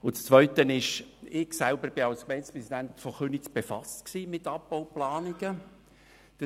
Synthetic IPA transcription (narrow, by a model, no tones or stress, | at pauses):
ʊt͡st͡sʋœʏtənɪʃɪɡsælbəɾb̥ɪɑlskmɛɪnspʁɛsid̪ænt̪fɔχønit͡sb̥efɑstksiːmɪtːɑpːɔʊplɑːniɡə | d̥ə